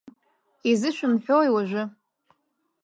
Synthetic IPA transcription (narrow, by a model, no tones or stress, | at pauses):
izɨʃʷᶣʊnħʷᶣowjwaʒʷʊ